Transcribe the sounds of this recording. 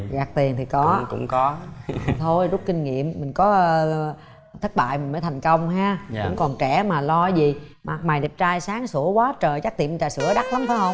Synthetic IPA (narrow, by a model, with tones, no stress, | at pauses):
ɣaː˨˩k̚t̪i˨˩ənt̪ʰi˨˩kɔ˨˦kʊ̰˧˥ŋ͡mkɔ˨˦t̪ʰo˧jzʊ˦˥k͡p̚kï˧ŋ̟ŋḭ˧˨əmːï˨˩ŋ̟kɔ˨˦ | t̪ʰə˦˥t̚ɓa̰ː˧˨jmi˨˩ŋ̟məː˨˦t̪ʰa˨˩jŋ̟kə˧wŋ͡mɦaː˧kʊ̰˧˥˧ŋ͡mkɔ˨˩nt͡ɕɛ˧˩maː˨˩lɔ˧zi˨˩ma˨˩k̚maː˨˩jɗi˨˩p̚t͡ɕaː˧jsaː˨˦ŋsu˧˩əkwaː˨˦t͡ɕəː˨˩jt͡ɕa˦˥k̚t̪ḭ˧˨˩mi˨˩t͡ɕaː˧˨˩sɨ̰˧˩əɗa˦˥k̚la˨˦mfʰaː˨˦jhə˧wŋ͡m